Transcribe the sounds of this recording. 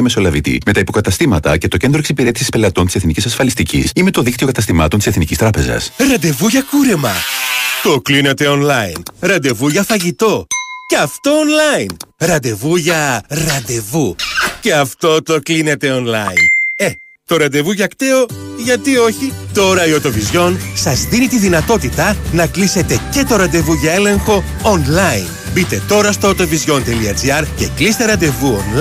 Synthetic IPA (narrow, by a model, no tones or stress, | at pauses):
meso̞lɐvit̪ḭme̞t̪ɐipo̞kɐt̪ɐst̪imɐt̪ɐce̞t̪o̞ce̞nd̪ɾoisipiɾe̞t̪i̥sispe̞lɐt̪o̞nt̪i̥seθnicisɐsfɐlist̪icḭsime̞t̪o̞ðikt̪io̞kɐt̪ɐst̪imɐt̪o̞nt̪iseθnicist̪ɾɐpe̞zɐ̰sɾɐd̪e̞vuʝɐkuɾe̞mɐt̪o̞kline̞t̪e̞o̞nlɐinɾɐd̪e̞vuʝɐfɐʝit̪o̞ceɐft̪o̞onlɐinɾɐd̪e̞vuʝɐɾɐd̪e̞vuce̞ɐft̪o̞t̪o̞kline̞t̪e̞o̞nlɐ̰ine̞ | t̪o̞ɾɐd̪e̞vuʝɐkt̪eo̞ʝɐt̪io̞çit̪o̞ɾɐio̞t̪o̞vizʝo̞nsɐzðinit̪iðinɐt̪o̞t̪it̪ɐnɐklise̞t̪e̞ce̞t̪o̞ɾɐnd̪e̞vuʝɐe̞le̞ŋxo̞ː | nlɐin | bit̪e̞t̪o̞ɾɐst̪o̞ːt̪o̞vizʝo̞nt̪e̞liɐd͡ziɐɾce̞klist̪e̞ɾɐnd̪e̞vuo̰n